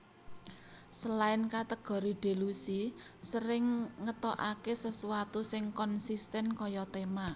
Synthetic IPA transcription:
səlaɪnkat̪əɡ̥ɔ̤ɾiɖ̪̥e̤lusisəɾɪŋːət̪ɔʔakesəsuwat̪usɪŋkɔnsist̪ɛnkɔjɔt̪ema

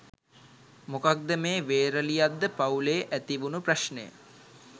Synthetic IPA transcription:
mokak̚d̪əmeːʋeːɾəlijad̪ːəpauleːʔæt̪iʋunupraʃnəjə̰

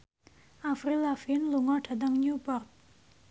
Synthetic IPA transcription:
afrilafinloŋaʈ͡ʂʰad̪aŋɲupart̪̚

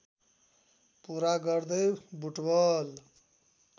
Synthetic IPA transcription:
puɾaɡʌɾd̪ʌjbʱuʈbʌl

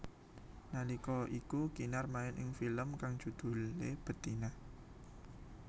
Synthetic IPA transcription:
nalikɔʔikukinarmaɪnʔɪ̰ŋfiləmkaŋ̥ʒ̥ṳd̪̥ṳlːeb̥ə̤t̪inah

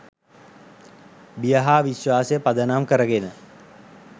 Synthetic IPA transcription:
bijəɦaːʋiɕʋaːsəjəpad̪ənamkəɾəɡenə

